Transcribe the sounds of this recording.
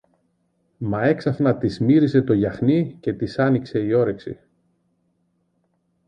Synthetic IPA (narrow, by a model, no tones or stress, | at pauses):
mɐe̞ksɐθnɐt̪izmiɾise̞t̪o̞ʝɐxnice̞t̪isɐnikse̞io̞ɾe̞ksḭ